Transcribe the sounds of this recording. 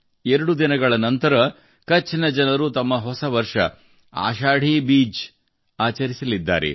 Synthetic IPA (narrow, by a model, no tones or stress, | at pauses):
eɾɐɽud̪inɐɡɐɭɐnɐnt̪ɐɾɐ | kɐt͡ʃːinɐd͡ʒɐnɐɾut̪ɐmːɐɦɔsɐʋɐɾʂɐ̰ | a̰ːʃaːɽ̤ibiːd͡ʒ | aːt͡ʃɐɾisɐlid̪ːa̰ːɾḛ